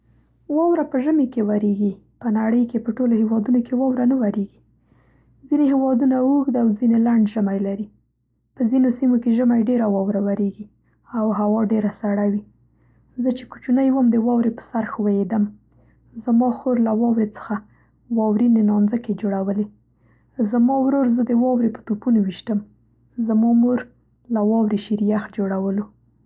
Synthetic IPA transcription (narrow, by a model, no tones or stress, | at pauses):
wɑwɾapəʒəmekewaɾeɡi | pənaɽəjkepəʈolohewɑd̪unokewɑwɾanəwaɾeɡi | zineɦewɑd̪unauɡd̪awzinelaɳɖʒəmajlaɾi | pəzinosimokeʒəmajɖeɾawɑwɾawaɾeɡi | awɦawɑɖeɾasaɽawi | zət͡ʃe̥ku̥t͡ʃunajwəmd̪əwɑwɾepə̥saɾxwajed̪əm | zamɑxoɾlawɑwɾet͡sə̥xa | wɑwɾinenɑnzəked͡ʒoɽawəle | zamɑwɾoɾzəd̪əwɑwɾepə̥t̪upunowiʃt̪əm | zamɑmoɾ | lawɑwɾeʃiɾjaxd͡ʒoɽawəlo